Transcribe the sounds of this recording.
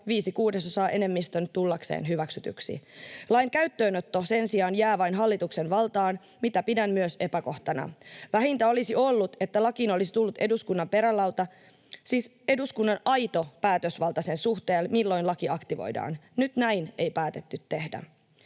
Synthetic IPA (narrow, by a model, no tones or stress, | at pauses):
ʋiːsikuːdesosɑːʔe̞ne̞mːist̪ønt̪ulːɑksḛːnɦyʋæksyt̪y̰ksḭlɑjŋkæyt̪ːøːnot̪ːo̞se̞nsiɑːnjæːʋɑjnɦɑlːit̪ukse̞nʋɑlt̪ɑːn | mit̪æpidæmmyøse̞pæko̞ht̪ɑnɑ̰ʋæɦint̪æo̞lisio̞lːut̪e̞t̪ːælɑkinolisi̥t̪ulːut̪e̞duskunːɑmpe̞ɾælːɑwt̪ɑ | siːs | e̞duskunːɑnɑjt̪o̞pæːt̪øsʋɑlt̪ɑse̞nsuxt̪e̞ːlmilːo̞jnlɑkiɑkt̪iʋo̰jdɑ̰ːnnyt̪næjne̞jpæːt̪e̞t̪ːyt̪ːe̞hdæ̰